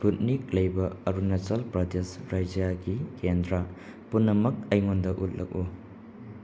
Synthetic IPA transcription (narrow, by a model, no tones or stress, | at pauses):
put̚nik̚lɐjbɐɐɾunɐsɐlpɾɐdesɾajd͡ʒjaɡikendɾa | punːɐmɐk̚ɐjŋondɐʔut̚lʔɐ̰k̚u